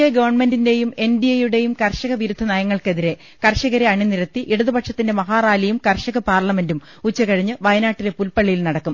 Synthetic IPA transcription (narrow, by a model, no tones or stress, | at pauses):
ɐɡɐʋɐrɳme̞ndinde̞jume̞ndijɐjuɽe̞jumkɐrɕɐɣɐʋiɾud̪ʱːɐnɐjɐŋːɐɭke̞ðiɾe̞ | kɐrɕɐɣɐɾeɐɳiniɾɐt̪ːiʔiɽɐðɐbɐʈʂɐt̪ːinde̞mɐɦaːraːlɐjumkɐrʂɐɣɐpaːrlɐme̞ndum | ut͡ɕːɐkɐɻiɲːɨʋɐjɐnaːʈːile̞pulpɐɭːijilnɐɽɐkːum